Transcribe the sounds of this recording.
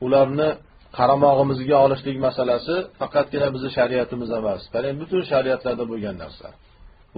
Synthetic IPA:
ʊlaɾnɪ | qʰɑɾamɒʁɨmɪzɡʲaɒlˠɪʃlɪkʲmasalasɪfɑqʰɑt̪̚ɡʲɪnabɪzɪʃaɾiat̪ʰɪmɪzemaskʰaɾenbʊt̪ʰʊnʃaɾiat̪laɾd̪aboɡʲanːa̰ɾsa̰

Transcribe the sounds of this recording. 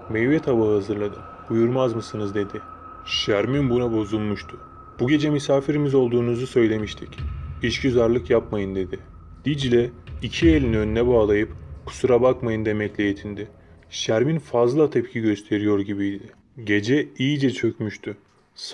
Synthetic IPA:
mɛjvjɛt̪ʰabaɦazɯɾlˠad̪ɯm | bujuɾmazmɯsɯnɯzd̪e̞d̪ɪ | ʃæɾminbunabo̞zulˠmuʃt̪ʰʊ̥ | b̥uɟe̞d͡ʒɛmysaːfiɾimizo̞lˠd̪uːnuzusø̞jlʲe̞miʃt̪ʰi̥ciʃcyzaɾlˠɯkjapmajɯnd̪e̞d̪ɪ | d̪̥id͡ʒilʲɛicʰielʲinønynɛbaːlˠajɯpkʰu̥suɾabakmajɯnd̪emɛclʲejet̪ʰind̪ɪ | ʃæɾminfazlˠat̪ʰɛpcʰiɟø̞st̪ʰe̞ɾijo̞ɾɟibijd̪ɪ | ɟe̞d͡ʒɛijid͡ʒɛt͡ʃʰø̞cmyʃt̪ʰʊ

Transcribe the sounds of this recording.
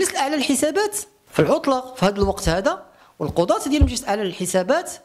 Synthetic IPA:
nəsəlʔəʕlæəlħəsæbæt̪ | filʕot̪ˤlɑqfihæd̪əlwɑqt̪hæd̪æ | wəlqod̪ˤɑt̪d̪jælmʒəst̪ʔəʕlælħəsæbæt̪

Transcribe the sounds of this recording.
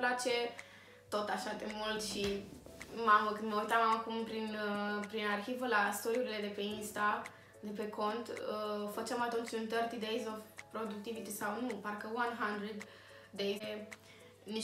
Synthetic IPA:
plat͡ʃe̞ | t̪ot̪aʃad̪emult̪ʃi | maməkɨnoit̪amamakumpɾinpɾinarxivəlast̪od̪iuɾile̞d̪e̞pe̞inst̪a | d̪epeko̞nt̪əfət͡ʃemat̪unt͡ʃunt̪ərt̪id̪ejzovpɾo̞d̪uk̚t̪ivit̪isawnuparkəwanɦand̪ɾed̪ː | eje | ni

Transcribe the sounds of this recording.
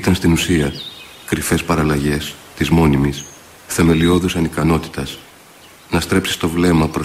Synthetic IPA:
it̪ɐnst̪inusiɐ | kɾife̞spɐɾɐlɐʝe̞st̪izmo̞nimis | θe̞me̞lio̞ðusɐnikɐno̞t̪i̥t̪ɐs | nɐst̪ɾe̞psi̥st̪o̞vle̞mɐpɾo

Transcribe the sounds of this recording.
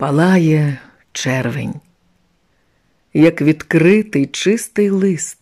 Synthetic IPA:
pɐlˠɑjɛ | t͡ʃɛrʋḛnʲ | jɐkʋʲid̪kɾɪt̪ɪjt͡ʃɪst̪ɪjlˠɪst̪

